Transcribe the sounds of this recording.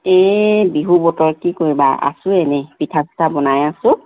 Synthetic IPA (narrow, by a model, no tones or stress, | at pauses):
ebiɦubɔtɔɹkikoɹiba̰a̰sʊ̃enɛpitʰastʰabɔnajasʊ̃